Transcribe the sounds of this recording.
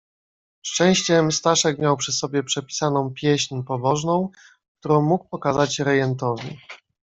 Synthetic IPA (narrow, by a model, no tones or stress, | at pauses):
ʂt͡ʂɛ̃w̃ɕt͡ɕɛmst̪aʂɛkmʲjawpʂɘsɔbʲjɛpʂɛpʲi̥sanɔ̃w̃pʲjɛɕɲpɔbɔʐnɔ̃w̃ | k̚t̪uɾɔ̃w̃muk̚pɔkazat͡ɕɾɛjɛnt̪ɔvʲḭ